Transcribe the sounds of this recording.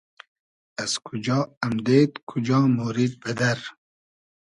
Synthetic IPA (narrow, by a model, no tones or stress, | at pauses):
az̥kʰud͡ʒɑːamd̪eːt̪kʰud͡ʒɑːmoːɾid̪̚bɐd̪aɾ